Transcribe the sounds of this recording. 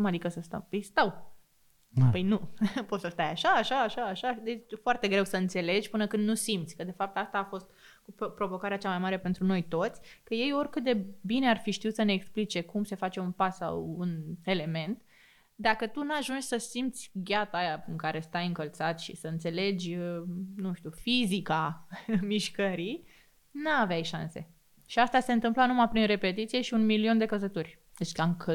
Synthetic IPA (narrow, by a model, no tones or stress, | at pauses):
mad̪ikəsəst̪ə̰mijst̪aw | pəjnupo̞t̪səst̪ajaʃaːʃaːʃaːʃad̪et͡ʃʲfoart̪e̞ɡɾe̞wsəɨnt̪se̞le̞d͡ʒʲpɨnəkɨnd̪nusimt̪sʲkəd̪e̞fap̚t̪ast̪aːfo̞st̪ | kupɾo̞vo̞kaɾeat͡ʃamajmaɾe̞pe̞nt̪ɾuno̞jt̪o̞t̪sʲkəje̞jo̞rʲkɨt̪̚d̪e̞bine̞arfiʃt̪iut̪səne̞ːksplit͡ʃe̞kumse̞fat͡ʃe̞unpasːa̰wune̞le̞me̞nt̪ | d̪akət̪unuaʒunt͡ʃʲsəsimt̪sʲɡʲat̪ajaɨŋkaɾe̞st̪ajɨŋkəlt̪sat̪ʃḭsəɨnt̪se̞le̞d͡ʒʲənuʃt̪ʲufizikamiʃkəɾi | naaveajʃanse̞̰ | ʃiast̪ase̞nt̪ɨmplanumapɾinre̞pe̞t̪it̪sije̞ʃiunmilio̞nd̪e̞kəzət̪urʲ | d̪et͡ʃkaŋkə